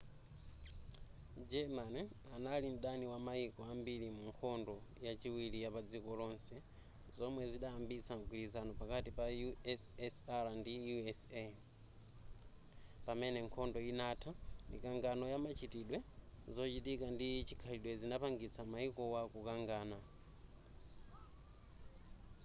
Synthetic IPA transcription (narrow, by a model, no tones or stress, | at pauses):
d͡ʒɛmanɛanalin̩ɗaniwamaikɔambilimuŋkʰɔndɔjat͡ʃiwilijapad͡zikɔlɔnsɛ | zɔmwɛziɗaːmbit͡sʰaŋɡwiɾizanɔpakatipajuɛsɛsaɾandijuɛsɛ | pamɛnɛŋkʰɔndɔinatʰamḭkaŋɡanɔjamat͡ʃʰitiɗwɛzɔt͡ʃitikandit͡ʃi̥kʰaɾiɗwɛzinapaŋɡit͡sʰamaikɔwakukaŋɡaːna